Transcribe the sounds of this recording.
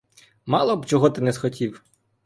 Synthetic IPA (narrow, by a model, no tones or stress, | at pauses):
mɑlˠɔbt͡ʃɔɦɔt̪ɪnɛzxɔtʲiw